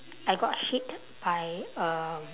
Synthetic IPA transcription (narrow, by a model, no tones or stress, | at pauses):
ajɡɔthit | b̥ajə